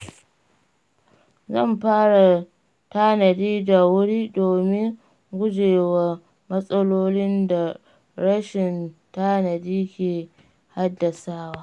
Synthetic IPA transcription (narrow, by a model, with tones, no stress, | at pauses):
zɐ̰˦˨mɸaː˦ɽa˨ | ta˦nɐ˨diː˦da˨wʊ˦ɽiː˦doː˨mɪ˦ŋ | ɡʷʊ˦d͡ʒeː˨wa˨ | mɐ˦sʼɐ˦loː˦lɪ˦nda˨ | ɽɐ˦ʃɪ˨nta˦nɐ˨diː˦kʲeː˨ | ha˦dːa˨saː˦waː˦